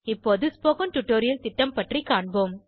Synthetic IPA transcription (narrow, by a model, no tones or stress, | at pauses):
ɪpːoːðɯspoːkɐnʈʊʈːoːɾɪjɐlt̪ɪʈːɐmpɐʈrikaːɳboːm